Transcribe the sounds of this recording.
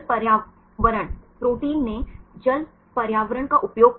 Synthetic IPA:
pɐɾjaː | ʋəɾəɽ̃pɾoːʈiːlːed͡ʒɐl | pɐɾjaːʋəɾəɳ̃kaʔʊpjoːɡ̚

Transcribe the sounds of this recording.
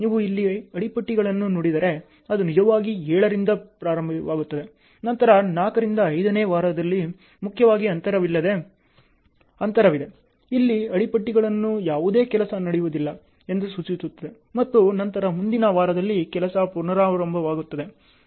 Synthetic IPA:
niːʋuilːiɐɽipɐʈːiɡɐɭɐnːunoɽid̪ɐɾe̞ | ɐd̪unid͡ʒɐʋaːɡiɛːɭɐɾind̪ɐpɾaːɾɐmbʱɐʋaːɡut̪ːɐd̪e̞ | nɐnt̪ɐɾɐnaːkɐɾind̪ɐːjd̪ɐneːʋaːɾɐd̪ɐlːi | mukʰjɐʋaːɡiɐnt̪ɐɾɐʋilːɐd̪e̞ | ɐnt̪ɐɾɐʋid̪e | ilːiɐɽipɐʈːiɡɐɭɐnːujaːʋud̪e̞ːkɛlɐsɐnɐɽijuʋud̪ilːɐ | e̞nd̪usut͡ʃisut̪ːɐd̪e | mɐt̪ːunɐnt̪ɐɾɐmund̪inɐʋaːɾɐd̪ɐlːikɛlɐsɐpunɐɾaːɾɐmbʱɐʋaːɡut̪ːɐd̪e̞

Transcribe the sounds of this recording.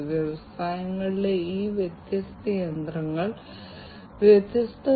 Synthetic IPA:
ʋjɐʋɐsaːjɐŋːɐɭile̞iːʋjet̪jɐst̪ɐjɐnd̪rɐŋːɐɭ | ʋjet̪jɐst̪ɐ

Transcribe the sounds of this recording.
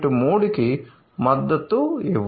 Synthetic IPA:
ʈumoːɽiki | mɐd̪ːɐt̪ːueʋ

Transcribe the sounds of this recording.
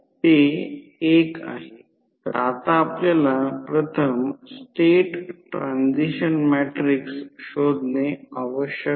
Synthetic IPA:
t̪e | eka̰ɦe | at̪aːpljalapɾət̪ʰəmsʈeʈʈːɾãnd͡ʑiɕənmɛʈɾiksɕod̪ʱneaʋəɕjə

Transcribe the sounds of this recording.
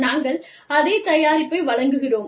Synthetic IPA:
naːŋɡɐɭ | ɐðeːt̪ɐjaːɾɪpːɐɪʋɐɭɐŋɡɯɣɪroːm

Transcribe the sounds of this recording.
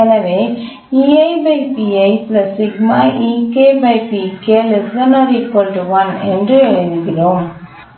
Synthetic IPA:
ɐnɐʋeː | iːɐɪbɐɪpiɐɪplɐsɪɡmaːʔiːkeːbɐɪpikeːlɛsɐnɐɾikɔɳɖʋɐnɛndrɯɪɾɯɣɪɾoːm

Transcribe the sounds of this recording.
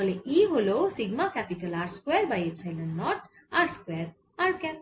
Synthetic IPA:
leʔiɦolosiɡmakɛpiʈəlaɾʈskweɾbajetsʰajlənːɔʈ | aɾʈskweɾ | aɾʈ̚kɛn

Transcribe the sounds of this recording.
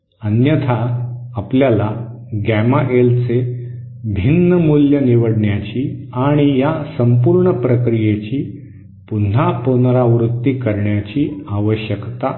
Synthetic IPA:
ənjət̪ʰaːpljala | ɡæmaʔelt͡se | bʱinːəmuljəniʋəɽɳjat͡ɕiːaɽ̃ijasəmpuɾɳəpɾəkɾijet͡ɕiː | pun̤aponɾaʋɾut̪ːikəɾɳjat͡ɕiːaʋəɕjəkt̪a

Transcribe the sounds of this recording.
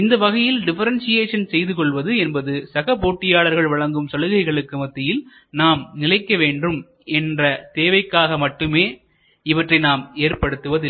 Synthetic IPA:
ɪnd̪ɐʋɐɣɐjɪlɖɪfɐɾɐnsɪjeːʂɐnsɛjðɯkɔɭʋɐðɯɛnbɐðɯsɐɣɐpoːʈːɪjaːɭɐɾɣɐɭʋɐɭɐŋɡɯmsɐlɯɣɐɪɣɐɭɯkːɯmɐt̪ːɪjɪl | naːmnɪlɐɪkːɐʋeːɳɖrɯm | ɛndrɐt̪eːʋɐɪkːaːɣɐmɐʈːɯmeː | ɪʋɐʈrɐɪnaːmeːɾpɐɽɯt̪ːɯʋɐðɪ

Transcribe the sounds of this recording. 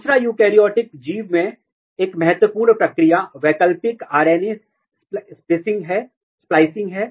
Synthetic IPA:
d̪usɾajuːkeːɾijɔːʈɪk̚d͡ʒiːʋmẽ | eːkmɛɦɛt̪wəpuːɾnpɾɐkɾijaʋɛːkəlpɪkaːɾeːni | spɾɪsɪ̃ŋɡɦɛː | splaːɪsɪ̃ŋɡɦɛː

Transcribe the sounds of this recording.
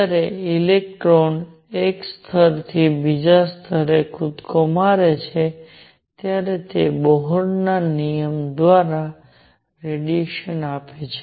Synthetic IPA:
aɾeilek̚ʈɾon | ekst̪ʰəɾt̪ʰibid͡ʒast̪ʰəɾekʰʊt̪kɔmaɾet͡ʃʰe | t̪jaɾet̪ebɔɦɔɾnanijəmd̪ʋaɾa | ɾeɖjeʃənapet͡ʃʰe̥

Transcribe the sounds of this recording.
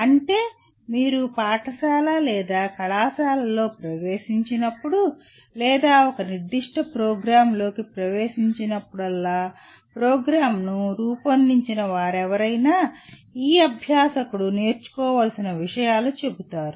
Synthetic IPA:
ɐɳʈe̞ː | miːɾupaːʈʰɐʃaːlɐlɛːd̪aːkɐɭaːsaːlɐlo̞ːpɾɐʋe̞ːʃiɲt͡ʃinɐpːuɽu | lɛːd̪aːɔkɐniɾd̪iʂʈʰɐpɾoːɡɾaːmlo̞ːkipɾɐʋeːʂiɲt͡ʃinɐpːuɽɐlːaː | pɾoːɡɾaːmnuɾuːpɐnd̪iɲt͡ʃinɐʋaːɾɛʋɐɾɐjnaːiːɐbʱjaːsɐkuɽune̞ːɾt͡ʃu̥kɔːʋɐlsinɐʋiʂɐjaːlut͡ʃe̞but̪aːɾu

